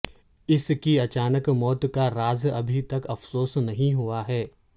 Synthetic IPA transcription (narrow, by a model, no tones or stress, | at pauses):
ɪskiɐt͡ʃaːnəkmɔːt̪kaɾaːzɐbʱit̪ɐkɐfsoːsnɐɦĩɦuaɦɛː